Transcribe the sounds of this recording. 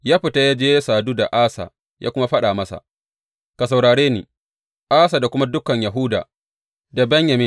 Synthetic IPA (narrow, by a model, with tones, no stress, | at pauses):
jaː˦ɸɪ˨ta˦jaː˦d͡ʒeː˦saː˨duː˦da˨ʔaː˦sa̰ː˨ | jʔaː˦kʷʊ˦ma˦ɸɐ˦ɗaː˨mɐ˦sa̰˨ | ka˨s̬a˨wɽaː˨ɽeː˦nḭː˨ | ʔaː˦sa˨da˨kʷʊ˦ma˦dʊ˦kɐ˨ɲja˨ɦʊ˦da̰ː˨ | da˨bɛ˦ɲjɐ˨mɪ˦